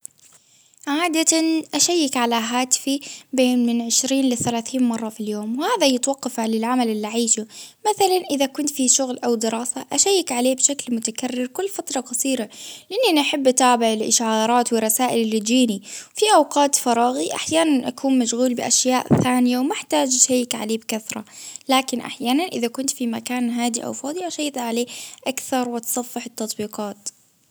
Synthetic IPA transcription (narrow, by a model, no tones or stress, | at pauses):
ʕaːd̪aanʔaʃajːɪkʕalaɦaːt̪ɪ̥fibeːnmɪnʕɪʃɾiːnlɪθalaːθiːnmɑrˤːɑfiljoːmwhaːðajɪt̪wɑqːɑflɪlʕamalʔɪlːiʕiːʃumaθalanʔɪðakʊnt̪fiʃʊɣlʔawd̪ɪɾɑːsaʔaʃajːɪkʕaleːbʃaklmʊt̪akarːɪɾkʊlːfat̪ɾˤɑqɑsˤiːɾalɪʔɪnːinaħɪbːʔat̪aːbɪʕɪlʔɪʃʕɑːɾˤɑːt̪wɪrˤːɑsaːʔɪlɪlːɪd͡ʒiːniwfiʔɑwqɑːt̪fɑɾˤɑːɣiʔa̰ħjaːnanʔakʰuːnmaʃɣuːlbɪʔaʃjaːʔθaːnɪjawmaħt̪aːd͡ʒʔaʃajːɪkʕa̰leːbkaθɾˤɑ̰laːkɪnʔa̰ħjaːnanʔɪðakʊnt̪fimakaːnɦaːd̪iʔa̰wfɑːd̪ˤiʔaʃajːɪt̪aʕaleːʔakθɑɾˤwɪt̪sˤɑfːɪħɪt̪ːɑt̪ˤbiːqɑːt̪